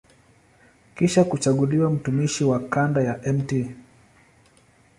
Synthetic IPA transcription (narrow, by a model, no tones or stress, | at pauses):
kiʃakut͡ʃaɠuliwam̩tumiʃiwakandajaʔɛmti